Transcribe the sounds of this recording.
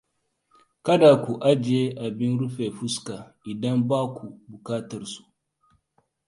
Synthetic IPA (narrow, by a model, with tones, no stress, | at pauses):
kɐ˦da˨kʷu˨ʔa˦d͡ʒe˦ʔa˨bi˦nɾu˦ɸe˨ɸu˦ska˨ʔi˨dɐ˦mbaː˦kʷu˨bu˨kaː˦tɐ˨rsu̥˨